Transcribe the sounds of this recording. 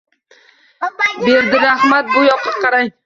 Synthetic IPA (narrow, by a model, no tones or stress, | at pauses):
beɾd̪ɪɾahmat̪̚bʊjɒqʰɨ̥t̪̚qʰɑɾaŋ